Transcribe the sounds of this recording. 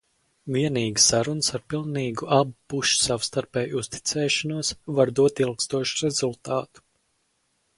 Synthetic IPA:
viɛniːɡi̥sːaɾunsaɾpilˠniːɡuʔabupuʃsawst̪aɾpɛːjust̪i̥t̪sɛːʃɔnuɔsvaɾd̪uɔt̪ilˠkst̪uɔʃuɾɛzulˠt̪ɑːt̪u̥

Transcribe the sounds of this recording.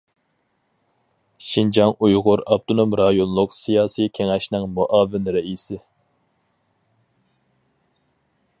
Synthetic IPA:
ʃind͡ʒɑŋujʁʊɾɑb̚t̪ʰonomɾɑjonlˠʊqsijɑːsikʲʰeŋɛʃnɪŋmuʔɑːvɪnɾɛisɪ

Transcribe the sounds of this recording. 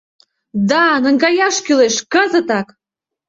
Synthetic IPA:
d̪ɑnə̆ŋɡɑjɑʃkyleʃkəzə̆t̪ɑk

